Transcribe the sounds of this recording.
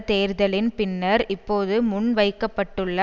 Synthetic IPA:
t̪eːɾðɐlɪnpɪnːɐɾɪpːoːðɯmʊɳʋɐɪkːɐpːɐʈːɯɭːɐ

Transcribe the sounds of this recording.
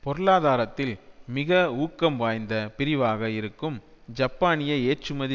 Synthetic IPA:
pɔɾɯɭaːðaːɾɐt̪ːɪlmɪɣɐuːkːɐmʋaːjnd̪ɐpɪɾɪʋaːɣɐɪɾɯkːɯm | d͡ʒɐpːaːnɪjɐeːʈrɯmɐðɪ

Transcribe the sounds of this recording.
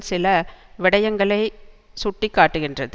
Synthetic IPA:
sɪlɐʋɪɽɐjɐŋɡɐɭɐɪ | sʊʈːikːaːʈːɯɣɪndrɐð

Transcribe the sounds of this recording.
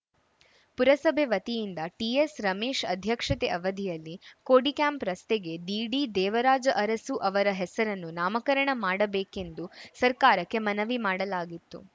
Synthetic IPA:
puɾɐsɐbʱeʋɐt̪ijind̪ɐʈiesɾɐmeːʃɐd̪ʱjɐkʂɐt̪eʔɐʋɐd̪ʱijɐlːikoːɽikaːmpɾɐst̪eɡe̞ɖ̪iːɖid̪ɛːʋɐɾaːd͡ʒɐʔɐɾɐsuʔɐʋɐɾɐɦɛsɐɾɐnːunaːmɐkɐɾɐɳɐmaːɽɐbeːke̞nd̪usɐɾkaːɾɐkːe̞mɐnɐʋimaːɽɐlaːɡit̪ːṵ

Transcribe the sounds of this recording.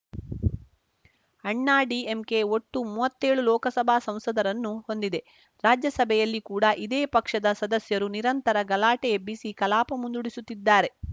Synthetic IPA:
ɐɳːaːɖiemke̞o̞ʈːumuːʋɐt̪ːe̞ːɭulɔːkɐsɐbʱaːsɐ̃m̃sɐd̪ɐɾɐnːuho̞nd̪id̪e̞ | ɾaːd͡ʒjɐsɐbʱɛjɐlːikuːɽɐʔid̪eːpɐkʂɐd̪ɐsɐd̪ɐsjɐɾuniɾɐnt̪ɐɾɐɡɐlaːʈeebisikɐlaːpɐmund̪uɽisut̪ːid̪ːaːɾe̞

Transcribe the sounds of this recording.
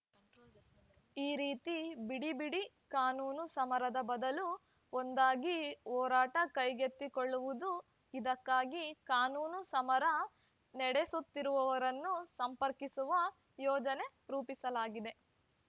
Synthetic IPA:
iːɾiːt̪ibiɽibiɽi | kaːnuːnusɐmɐɾɐd̪ɐbɐd̪ɐlu | ond̪aːɡiɔːɾaːʈɐkɐjɡet̪ːikoɭːuʋud̪u | id̪ɐkːaːɡikaːnuːnusɐmɐɾɐ | nɛɽesut̪ːiɾuʋɐʋɐɾɐnːusɐmpɐɾkisuʋɐ | jɔːd͡ʒɐne̞ | ɾuːpisɐlaːɡid̪e̞

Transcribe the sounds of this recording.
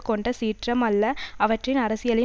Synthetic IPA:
kɔɳɖɐsiːʈrɐmɐlːɐɐʋɐʈrɪnɐɾɐsɪjɐlɐj

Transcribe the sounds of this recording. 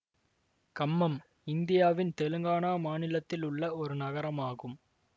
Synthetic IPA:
kɐmːɐm | ɪnd̪ɪjaːʋɪnt̪ɛlɯŋɡaːnaːmaːnɪlɐt̪ːɪlʊɭːɐɔɾɯnɐɣɐɾɐmaːɣɯm

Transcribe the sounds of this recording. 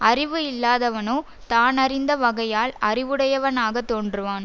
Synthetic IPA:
ɐrɪʋɯɪlːaːðɐʋɐnoː | t̪aːnɐrɪnd̪ɐʋɐɣɐjaːlɐ̰rɪʋɯɽɐjɐʋɐnaːɣɐt̪ːoːndrɯʋaːn

